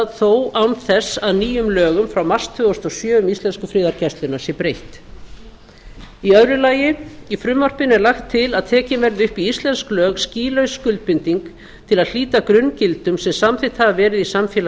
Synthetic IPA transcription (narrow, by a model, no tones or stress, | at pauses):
θoːwawnθɛsːaðniːjʏmlœːɣʏmfɾawmar̥st̪ʰʏɣast̪ɔɣsjœːʏmist̪lɛnskʏfɾɪːðaɾcɛst̪lɪnːḁsjɛpɾejht̪ | iœɥɾʏlaːjɪifɾʏmːar̥pɪnɛɾlaxt̪ʰːɪlaðt̪ʰɛːcɪnvɛɾðɪʏhpiist̪lɛnsklœːɣsciːlœɥskʏlt̪̚pɪnt̪iŋk | t̪ʰɪlaðl̥iːt̪akɾʏncɪlt̪ʏmsɛmsamθɪjht̪havavɛːɾɪðisamfjɛːl